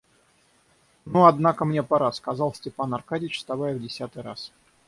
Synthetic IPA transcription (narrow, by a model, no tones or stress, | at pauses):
nuɐd̪nakəmnʲe̞pɐɾaskɐzɑlˠsʲtʲɪpanɐrkadʲɪt͡ɕst̪ɐvajəvdʲɪsʲat̪ɨjɾa̰s